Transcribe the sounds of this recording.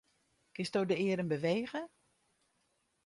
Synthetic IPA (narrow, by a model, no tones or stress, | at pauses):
kɪstdowdəɪəɾənbəʋejɣə